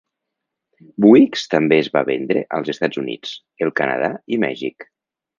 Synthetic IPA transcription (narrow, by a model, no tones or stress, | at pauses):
buikst̪əmbeːzβaβɛnd̪ɾḛʔəlˠzest̪ad͡zunḭt͡s | elˠkanə̰ð̞aimɛ̰ʒik